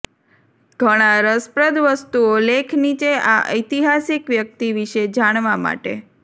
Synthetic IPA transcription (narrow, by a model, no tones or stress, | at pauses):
ɡʱəɽ̃aɾəspɾəd̪ʋəst̪uolekʰnit͡ʃeaʔə̰jt̪iɦasikʋjək̚t̪iʋiʃed͡ʒaɽ̃ʋama̰ʈḛ